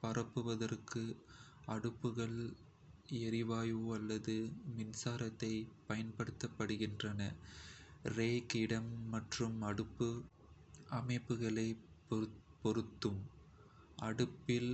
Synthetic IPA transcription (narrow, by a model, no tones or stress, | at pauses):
pɐrɐpːɯʋɐðɐrkɯ | ɐɽɯpːɯɣɐɭ | ɛɾɪʋaːjoɐlːɐðɯmɪnsaːɾɐt̪ːɐɪpɐjɐnpɐɽɯt̪ːɐpːɐɽɯɣɪndrɐnɐ | reːkɪɽɐmːɐʈrɯmɐɽɯpːɯ | ɐmɐɪpːɯɣɐɭɐɪ | pɔɾɯt̪ːɯm | ɐɽɯpːɪl